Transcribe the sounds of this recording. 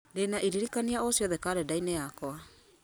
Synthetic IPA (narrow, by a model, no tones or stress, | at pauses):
denaʔiɾiɾikaniaosiɔðɛkaɾedajneaːkoa